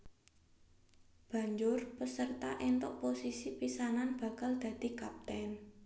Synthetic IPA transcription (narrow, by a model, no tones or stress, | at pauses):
b̥ä̤ɲd͡ʒʊrpəsərt̪aʔent̪ɔʔ̚posisipisananb̥ä̤kald̪̥ä̤d̪̥i̤kap̚t̪ɛn